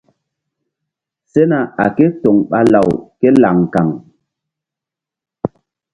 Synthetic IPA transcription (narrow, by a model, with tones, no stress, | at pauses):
se˦na˨a˨ke˦to˨ŋɓa˦la˨wke˦la˨ŋka˨ŋ